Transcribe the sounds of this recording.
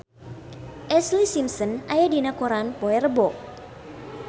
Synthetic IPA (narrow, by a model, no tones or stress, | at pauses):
ʔɛslisimsənʔajadinakoɾanpɔɛrəbɔ